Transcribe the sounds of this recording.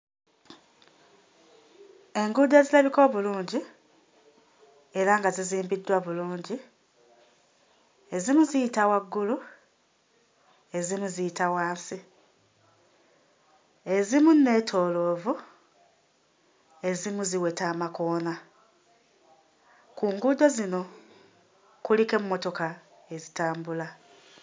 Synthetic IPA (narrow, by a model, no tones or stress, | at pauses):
e̞ŋɡudezilaβiko̞ːβuluːɲɟi | e̞ɾaŋɡaziziːmbidːwaβuluːɲɟi | e̞zimuzijitawaɡːulu | e̞zimuzijitawaːnsi | e̞zimunːe̞ːtʰo̞ːlo̞ːvu | e̞zimuziwe̞taːmako̞ːna | kuːŋɡud̪o̞zino̞ | kulike̞mumːo̞to̞ka | e̞zitaːmbula